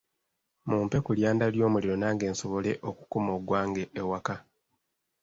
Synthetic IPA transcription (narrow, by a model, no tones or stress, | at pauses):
muːmpe̞kuljaːndaljo̞ːmuliɾo̞naːŋɡe̞ːnso̞βo̞le̞ʔo̞ku̥kumoɡwaːŋɡe̞ʔːwaka